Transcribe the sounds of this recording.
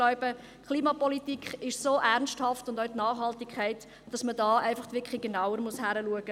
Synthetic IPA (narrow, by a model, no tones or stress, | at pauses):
lɔʏbə | kʰχliːmɑpɔlitikχɪʃsoːʔæʁnsthɑftʊndœɥtnɑːχhɑltikχɛɪt | d̥ɑsmədɑːʔæɪfɑχtʋɪkχliɡ̥enaʊəɾmushæɾəluəɡ̥ə